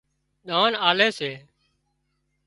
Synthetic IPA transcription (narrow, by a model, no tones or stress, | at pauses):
ɗ̪aːnaːleːseː